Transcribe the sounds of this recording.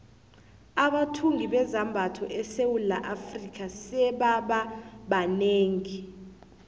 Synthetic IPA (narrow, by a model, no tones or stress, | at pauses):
aɓatʰuŋiɓɛzambʱatʰɔʔɛsewula̰ʔafrikʰʼasɛɓaɓaɓaneːŋi